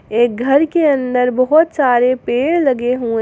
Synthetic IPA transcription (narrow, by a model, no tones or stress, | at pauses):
eːk̚ɡʱɐɾkeɐ̃nd̪əɾbɐɦʊt̪saːɾepeːɽlɐɡeɦuẽ